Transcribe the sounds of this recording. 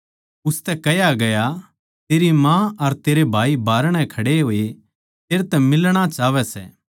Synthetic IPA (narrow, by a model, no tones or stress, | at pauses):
ʊst̪ɛkɐjaɡɐja | t̪eːɾimãɐɾt̪eːɾebʱaːibʱaːɾəɽ̃ɛ̃kʰɐɽeɦoːe | t̪eːɾt̪ɛmɪlɽ̃at͡ʃaːʋɛsɛ̰ː